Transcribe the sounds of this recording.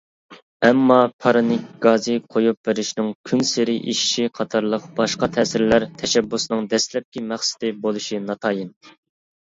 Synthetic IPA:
ɛmːɑpʰɑɾɑnɪkʲɡ̥ɑzɨqʰojup̚beɾɪʃnɪŋkʲʰynsɪɾɪʔḭʃi̥ʃiqʰɑt̪ʰɑɾlˠəqb̥ɑʃqɑt̪ʰɛːsɪɾlæɾt̪ʰɛʃɛbːusnɨŋd̪ɛslɛp̚kʲimæχsɪ̥d̪ɪbolˠuʃinɑt̪ʰɑːjin

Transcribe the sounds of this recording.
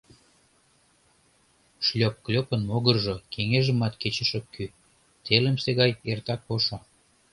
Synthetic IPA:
ʃlʲop̚klʲopənmoɣərʒokʰeŋeʒə̆mɑt̪ket͡ɕəʃəky | t̪elə̆mseɣɑjert̪ɑk̚oʃo

